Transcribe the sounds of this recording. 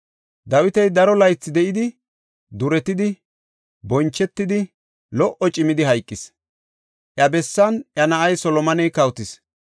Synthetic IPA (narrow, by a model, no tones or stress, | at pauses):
d̪ɐwɪt̪ɛjd̪ɐɾɔlɐjt͡sːɪd̪ɛʔɪd̪ɪ | d̪ʊɾɛt̪ɪd̪ɪ | bɔnt͡ʃːɛt̪ːɪd̪ɪ | lɔʔɔt͡ʃʼɪmɪd̪ɪɦɐjkʼːɪs | ʔjɐbɛsːɐnʔjɐnɐʔɐjsɔlɔmɐnɛjkɐwt̪ɪs